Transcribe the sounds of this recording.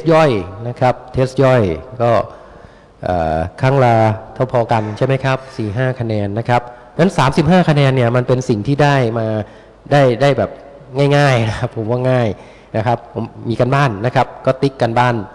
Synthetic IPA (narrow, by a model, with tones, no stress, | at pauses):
st̚jɔ˥˩jna˦˥kʰa˦˥p̚t̪ʰeː˦˥s̚jɔ˥˩jkɔː˥˩ | ʔa̰ː˨˩kʰaː˥˩ŋlaː˧t̪ʰaː˥˩pʰɔː˧ka˧nt͡ɕʰa˥˩jma˦˥jkʰa˦˥p̚siː˨˩ɦaː˥˩kʰa˧nɛː˧nːa˦˥kʰa˦˥p̚ | na˦˥nsaː˩˦msi˨˩p̚ɦaː˥˩kʰa˧nɛː˧nːi˥˩ɐma˧npe˧nsi˨˩ŋt̪ʰiː˥˩daː˥˩jmaː˧ | daː˥˩jdaː˥˩jbɛː˨˩p̚ | ŋaː˥˩jŋaː˥˩jna˦˥kʰa˦˥pʰːo˩˦mwaː˥˩ŋaː˥˩j | na˦˥kʰa˦˥pʰːo˩˦mːiː˧ka˧nbaː˥˩nːa˦˥kʰa˦˥p̚kɔː˥˩t̪i˦˥kːa˧nbaː˥˩n